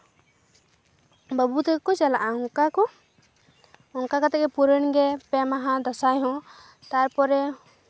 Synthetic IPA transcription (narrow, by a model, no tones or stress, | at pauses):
bəbut̪ɛkkɔt͡ʃalaʔaɦɔ̃ŋkakɔ | ɔnkakat̪ɛkɛpuɾəɳɡɛpɛmaɦãd̪ɔsajɦɔ̃ | t̪aɾpɔɾɛ